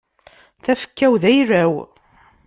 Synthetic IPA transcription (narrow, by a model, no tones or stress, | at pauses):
θæfə̥kːæwðæjræw